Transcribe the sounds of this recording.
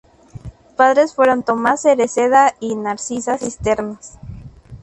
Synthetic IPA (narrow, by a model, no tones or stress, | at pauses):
paðɾe̞sfwe̞ɾo̞nt̪o̞maseɾeseðainaɾsisasist̪e̞ɾnas